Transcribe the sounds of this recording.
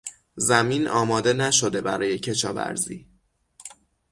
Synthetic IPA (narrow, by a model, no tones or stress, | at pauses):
zæmiːnʔɒːmɒːd̪e̞næʃo̞d̪e̞bæɾɒːje̞cʰe̞ʃɒːvæ̰ɾzḭː